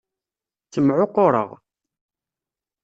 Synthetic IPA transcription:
θt͡sːəmʕoqʊɾˤə̰ʁ

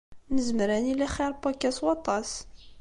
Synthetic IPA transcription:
nəzmɾænilæχiɾˤpakːæswɑt̪ˤɑs

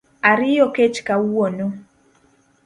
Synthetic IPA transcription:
aɾɪjɔket͡ʃkawono

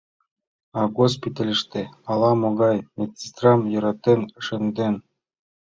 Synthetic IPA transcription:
ɑɡospʲit̪ɑlʲɘ̆ʃt̪eɑlˠɑmoɡɑjmʲet̪ʲt͡sʲist̪rɑmjɤ̆ɾɑt̪ːenʂɘ̆nd̪en

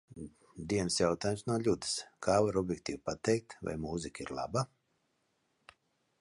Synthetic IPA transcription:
d̪iɛnsjawt̪aːjmsnuɔlʲud̪ɨ̥skʰaːvaɾɔbʲjɛk̚t̪iːvpat̪ɛjk̚t̪va̰jmuzikiɾlˠa̰ba

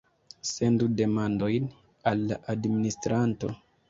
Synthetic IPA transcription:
se̞ndude̞mando̞jn | alːa̰ʔadministɾanto̞̰

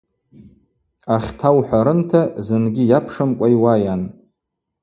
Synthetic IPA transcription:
aχʲtʰawħʷᶣaɾɨntʰazɨnɡʲɪjapʰʂamkʷʼajwajan

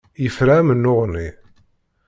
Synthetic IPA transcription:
jəfɾæmənːoʁni

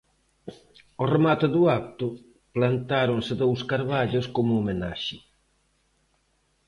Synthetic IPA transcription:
oremat̪ɪðuak̚t̪ʊ | plant̪aɾʊnsɪðowskaɾβaʎʊskomʊːmena̰ʃɪ

